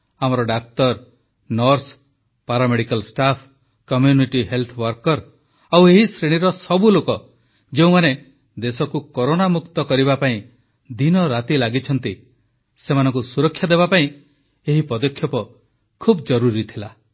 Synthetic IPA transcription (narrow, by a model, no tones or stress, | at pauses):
amɔɾɔɖak̚t̪ɔɾ | nɔɾs | paɾameɽikalsʈapʰ | kɔmjuniʈiɦelt̪ʰɔwɔɾkɔɾ | aweɦisɾeɽ̃iɾɔsɔbulokɔ | d͡ʒeũmane | d̪esɔkukoɾonamukt̪ɔkɔɾiβapaĩ | d̪inɔɾat̪ilaɡit͡ʃʰɔnt̪i | semanɔ̃ŋkusuɾɔkʰːjad̪ebapaĩ | eɦipɔd̪ɔkʰjɔpɔ | kʰubd͡ʒɔɾuɾit̪ʰila